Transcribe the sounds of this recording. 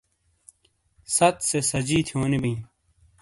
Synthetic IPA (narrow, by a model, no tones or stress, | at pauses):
sɐt̪sesɐd͡ʑiːt̪ʰijoːnibĩː